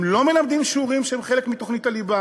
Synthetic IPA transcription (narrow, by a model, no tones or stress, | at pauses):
mlo̞me̞lamd̪imʃuʁimʃehemχele̞kmit̪o̞χnit̪aliba